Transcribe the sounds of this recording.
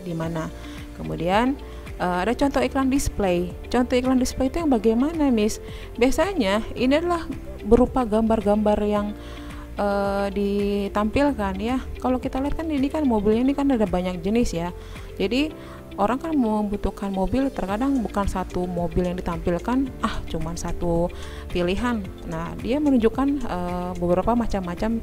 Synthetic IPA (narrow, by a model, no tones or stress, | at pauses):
dimana | kəmudian | ʔəmadat͡ʃɔnt̪ɔiklandisplej | t͡ʃɔnt̪ɔiklandispleit̪ujaŋbaɡajmanamɪs | biasaɲainiadalah | bəɾupaɡambarɡambarjaŋ | ʔədit̪ampilkanjakalokit̪aliat̪̚kaninikanmobɪlɲainikanadabaɲak̚d͡ʒənɪsja | d͡ʒadi | ʔoɾaŋkanməmbut̪ukanmobɪlt̪ərkadaŋbukansat̪umobɪljaŋdit̪ampilkanʔaht͡ʃumansat̪u | piliɦanː | ahdiamənuɲd͡ʒukːanəbəbəɾapamat͡ʃamːat͡ʃam